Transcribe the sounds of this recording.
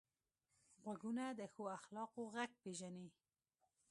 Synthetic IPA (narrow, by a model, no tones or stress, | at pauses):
ɣwaɡunad̪əxoaxlɑqoɣaɡ̚peʒani